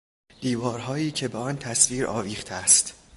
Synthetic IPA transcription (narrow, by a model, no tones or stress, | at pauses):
d̪̥iːvɒːɾɦɒːiːcʰe̞beɒnt̪ʰæsviːɾʔɒ̰ːviːχt̪ʰæst̪